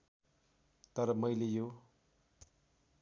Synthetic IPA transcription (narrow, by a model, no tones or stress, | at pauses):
t̪ʌɾʌmʌjlejo